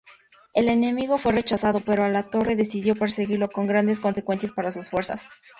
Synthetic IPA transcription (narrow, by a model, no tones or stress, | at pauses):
e̞le̞ne̞miɣo̞fwe̞re̞t͡ʃasað̞o̞pe̞ɾoalat̪o̞re̞ðe̞siðjo̞pe̞ɾse̞ɣiɾlo̞ko̞ŋɡɾand̪e̞sko̞nse̞kwe̞nsjaspaɾasusfwe̞ɾsa̰s